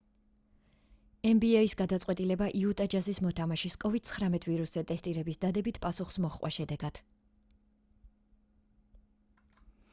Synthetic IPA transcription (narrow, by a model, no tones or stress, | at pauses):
ɛmbiɛisɡad̪at̪sʼwɛt̪ʼilɛbaʔiut̪ʼad͡ʒazismɔt̪ʰamaʃiskʼɔvid̪̥̚sʰχɾamɛt̪ʰviɾuszɛt̪ʼɛst̪ʼiɾɛbisd̪ad̪ɛbit̪ʰpʼasuχsmɔχqʼwa̰ʃɛd̪ɛɡad̪̥